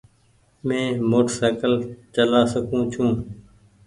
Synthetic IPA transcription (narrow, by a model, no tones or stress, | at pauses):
mẽːmoːʈəsaːkəlt͡ʃəlaːsəkũːt͡ʃʰũː